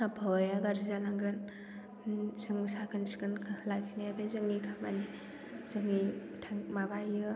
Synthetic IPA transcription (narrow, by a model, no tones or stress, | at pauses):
abʰʱɔjaɡaɾizalaŋɡɯn | sɯŋisakʰɯnsi̥kɯnkʰlaɡʰinajabezɯŋːikʰamani | z̥ɯŋːi | tʰaŋmabajɯ